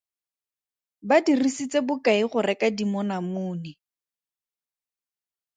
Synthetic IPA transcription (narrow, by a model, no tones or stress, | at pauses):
badirisit͡sebʊkaiχʊrɛkadimɔnamʊːni